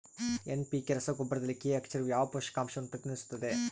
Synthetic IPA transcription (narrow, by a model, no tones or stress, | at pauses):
enpikeɾɐsɐɡobɐɾɐd̪ɐlːikːeɐkt͡ʃʰɐɾujaːʋɐpoʃɐ̥kaːmʃɐʋɐnːupɾɐt̪inɐɾisu̥t̪ːɐd̪e